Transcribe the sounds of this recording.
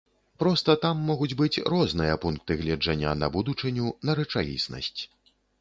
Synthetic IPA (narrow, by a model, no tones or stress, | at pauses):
pɾɔst̪ɐt̪amːɔɣud͡zʲbɨt͡sʲrɔznɨjɐpunk̚t̪ɨɣlʲɛd͡ʐanʲːanɐ̰bud̪ut͡ʂɨnʲunɐɾɛt͡ʂalʲḭsnɐ̰sʲt͡sʲ